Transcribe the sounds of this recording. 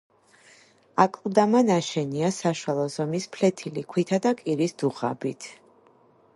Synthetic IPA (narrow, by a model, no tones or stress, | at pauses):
akʼlˠd̪amanaʃɛniasaʃwalˠɔzɔmispʰlɛt̪ʰilikʰwit̪ʰad̪akʼiɾisd̪̥uʁa̰bit̪ʰ